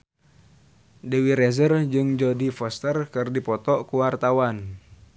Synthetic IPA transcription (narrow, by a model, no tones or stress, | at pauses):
dɛwiɾɛzərd͡ʒɨŋd͡ʒɔdifɔst̪ərkɨrdipɔt̪ɔʔkuwart̪awan